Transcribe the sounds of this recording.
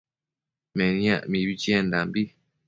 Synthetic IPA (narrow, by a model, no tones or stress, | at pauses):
mɛnĩa̰ʔmiβit͡ʃiɛndambi